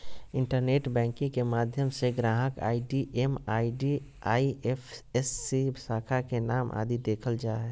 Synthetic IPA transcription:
ɪ̃ɳʈəɾneːʈbɛ̃ːŋkĩŋkemaːd̪ʱjəmseɡɾãːɦəka̰ːiɖiʔemaːiɖi | aːiefʰesːibsaːkʰakenaːmʔa̰ːd̪id̪eːkʰəld͡ʒaːɦɛː

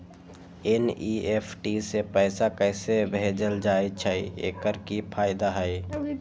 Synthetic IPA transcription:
eniepʰʈisepəɪsakəɪsebʱeːd͡ʒəld͡ʒaːet͡ʃʰəiḛːkəɾkipʰaːɪd̪aɦəɪ

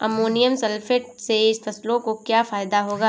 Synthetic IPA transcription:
ɐ̰moːnijəmsɐlfɪʈseɪsfɐslõkokjaːfaːjd̪aɦoːɡaː

